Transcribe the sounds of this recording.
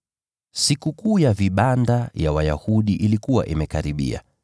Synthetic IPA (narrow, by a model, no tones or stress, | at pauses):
sikukuːjaviɓandavjawaja̰huɗiʔilikuwa̰ʔimɛkaɾiɓḭa̰